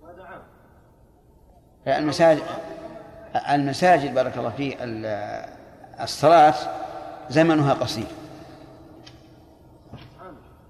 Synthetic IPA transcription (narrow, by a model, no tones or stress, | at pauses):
lmasaː | almasaːd͡ʒɪd̪̚bɑːɾˤɑkɑlˤːɑfiːkal | sˤːɑlɑːt̪zamanʊɦaqɑsˤiːɾ